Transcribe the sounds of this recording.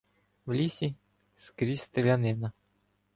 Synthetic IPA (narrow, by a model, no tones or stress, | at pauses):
vlʲisʲi | skɾʲist̪əlʲanɛna